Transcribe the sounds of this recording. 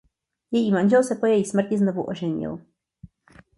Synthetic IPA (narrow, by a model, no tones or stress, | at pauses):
jɛjimand͡ʑawsɛpɔjaismɛɾt͡ɕɛznɔvuʔɔ̰ʐɛɲɔ̰w